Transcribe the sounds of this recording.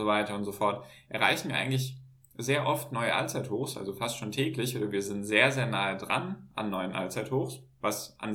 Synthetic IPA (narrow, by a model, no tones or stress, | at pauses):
zovaɪtɐʊntz̥ofɔɐt | ʔɛɐʁa̰ɪçn̩viːɐʔaɪɡŋ̩tlɪç | zeːɐʔɔftnɔʏəʔa̰lt͡saɪthoːxsʔa̰lzofastʃoːntʰɛːklɪçʔoːdɐviːɐzɪntz̥eːɐzeːɐnaːədʁa̰nʔa̰nːɔʏənʔa̰lt͡saɪthoːxsvasʔa̰n